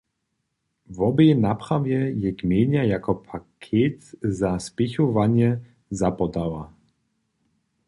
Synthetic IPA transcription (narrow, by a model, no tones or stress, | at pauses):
vɔbɛjnapχavjɛjɛkmʲjɛɲajakɔpʰakʰet̪zaspixɔvaɲɛ | zapɔd̪awa